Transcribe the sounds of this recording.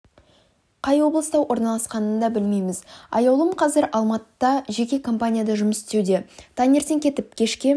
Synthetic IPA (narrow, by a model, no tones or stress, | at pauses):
qʰɑjwo̞blˠəst̪ɑwʔo̞ɾnɑlˠɑsqɑnənd̪ɑbɪlme̞jmɪzɑ̰jɑwlˠəmqʰɑzɪɾɑlˠmɑt̪əd̪ɑʒe̞kʲe̞kʰo̞mpanʲijad̪ɑʒʊməsɪst̪ewd̪e̞t̪ʰɑnʲe̞ɾt̪e̞ŋkʲʰe̞t̪ɪp̚kʲʰe̞ʃkʲe